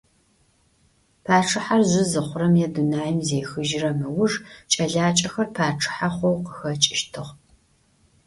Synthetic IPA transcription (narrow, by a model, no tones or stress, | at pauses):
pʰaːʈ͡ʂʰɨħarzʷɨzɨχʷʊɾɐmjɛdunaːjɪmzeːxɨʒɪrɐmɨwʊʐt͡ʃʼɐɮaːt͡ʃʼɐxɐrpʰaːʈ͡ʂʰɨ̥ħaχʷowqəxɐt͡ʃʼɪʃtʰɨʁ